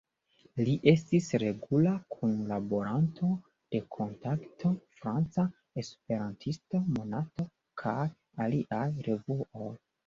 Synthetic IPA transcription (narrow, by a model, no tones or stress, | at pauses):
liʔe̞s̬tisɾe̞ɡulakʰunlabo̞ɾantʰo̞ | d̥e̞kʰo̞ntaktʰo̞fɾant͡sa | e̞spe̞ɾantʰisto̞mo̞nato̞ | kʰaj | aliʔajɾe̞vuoj